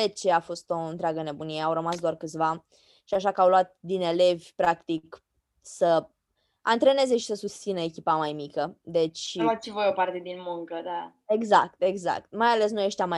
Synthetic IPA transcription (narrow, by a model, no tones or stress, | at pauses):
et͡ʃeafo̞st̪o̞ɨnt̪ɾeaɡəne̞bunijeawɾəmasd̪oarkɨt̪sʲva | ʃiaʃakəawluat̪̚d̪ine̞le̞vʲpɾakt̪ik | sə | ant̪ɾe̞ne̞ze̞ʃi̥səsust̪sinəekʲipamajmikəd̪e̞t͡ʃʲvat̪sivojopart̪e̞d̪inmuŋkəd̪a | eɡzak̚t̪e̞ɡza̰k̚t̪majale̞s̬nujeʃt̪ʲama